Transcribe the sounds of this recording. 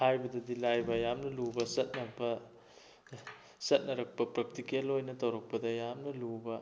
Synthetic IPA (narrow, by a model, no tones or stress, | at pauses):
hajbɐdɐdilajbɐjamnɐlubɐsɐt̚nɐbɐ | sɐt̚nɐɾɐk̚pɐpɾɐk̚tikialojnɐtɐwɾɐk̚pɐdɐjamnɐlubɐ